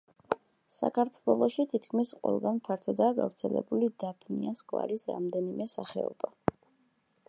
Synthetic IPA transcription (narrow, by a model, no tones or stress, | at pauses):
sa̰kʰaɾt̪ʰwɛlˠɔʃit̪ʰit̪kʰmisqʼwɛ̰lˠɡanpʰaɾt̪ʰɔd̪aːɡavɾt̪sʰɛlɛbulid̪apʰniaskʼwa̰ɾisɾa̰md̪ɛnimɛsaχɛɔba